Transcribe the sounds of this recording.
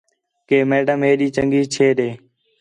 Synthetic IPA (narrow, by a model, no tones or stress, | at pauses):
keːmeːɖəmɦeːɗiːt͡ʃəŋɡiːt͡ʃʰeːɗeː